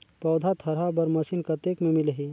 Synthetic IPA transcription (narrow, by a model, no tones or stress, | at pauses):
pɔːd̪ʱat̪ʰɐɾɦabɐɾmɐsinkɐt̪ekmẽmilɦi